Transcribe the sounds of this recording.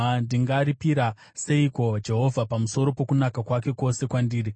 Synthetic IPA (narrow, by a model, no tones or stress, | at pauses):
ndiŋɡaɾipiɾa | se̞iko̞d͡ʒe̞ɦo̞vʱapamuso̞ɾo̞po̞kunakakwake̞ko̞se̞kwandiːɾi